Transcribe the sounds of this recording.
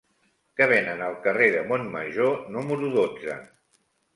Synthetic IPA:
kəβ̞enənəlˠkəreðəmonməʒonuməɾuðod͡zə̰

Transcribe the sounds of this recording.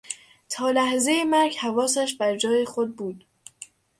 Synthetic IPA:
t̪ʰɒːlæhze̞jemæɾɡhævɒːsæʃbæɾd͡ʒɒːjexod̪̚buːd̪̥

